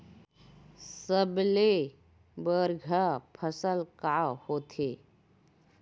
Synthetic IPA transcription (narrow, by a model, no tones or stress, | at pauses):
səble | bəɾɡʱapʰəsəlkaːhoːt̪ʰeː